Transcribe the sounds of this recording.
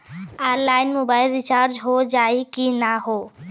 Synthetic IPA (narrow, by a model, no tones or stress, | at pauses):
aːɾlaːɪnmoːbaːɪlɾɪt͡ʃaːɾd͡ʒɦod͡ʒaːikinaɦoː